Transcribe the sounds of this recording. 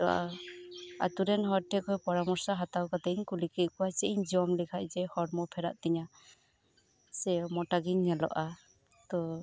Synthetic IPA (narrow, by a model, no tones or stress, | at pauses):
t̪ɔa̰ | a̰t̪uɾɛnɦɔɾʈʰɛkɔjpɔɾamɔɾsaɦat̪awkat̪ɛiɲkulikiˀkɔwasɛʔiɲd͡ʒiɔmlikʰac̚d͡ʒɛhɔɾmɔpʰɛɾa̰ʔt̪ɛɲa | sɛmɔʈaɡiɲːɛlɔ̰ʔa | t̪ɔ